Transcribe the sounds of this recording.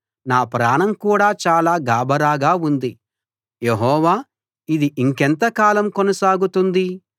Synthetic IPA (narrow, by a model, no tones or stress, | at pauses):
naːpɾaːɳɐmkuːɽaːt͡ʃaːlaːɡaːbɐɾaːɡaːund̪i | jeɦɔːʋaː | id̪iʔiŋkɛnt̪ɐkaːlɐmkonɐsaːɡut̪und̪i